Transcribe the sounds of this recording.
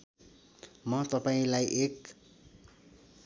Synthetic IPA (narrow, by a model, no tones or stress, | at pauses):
mʌt̪ʌpaĩlajʔek